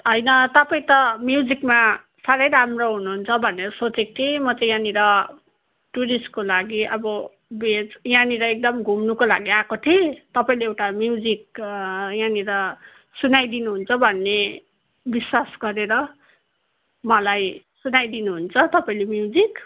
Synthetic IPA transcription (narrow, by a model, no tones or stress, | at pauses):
ɦʌjnʌt̪ʌpaĩt̪ʌmjud͡zikma | saɾʌjɾamroɦunuɦːnt͡sʰʌbʱʌneɾʌsot͡sek̚t̪ʰimʌt͡sʌjãniɾʌ | ʈuɾisʈ̚kolaɡiʔʌbʌ | bed͡zjãniɾʌek̚d̪ʌmɡʱumnukolaɡiakot̪ʰit̪ʌpaĩleewʈamjud͡zik̚ | jãniɾʌ | sunajd̪inuɦunt͡sʰʌbʱʌnːe | biswasɡʌɾeɾʌ | mʌlaj | sunajd̪inuɦunt͡sʰʌt̪ʌpaĩlemjud͡zik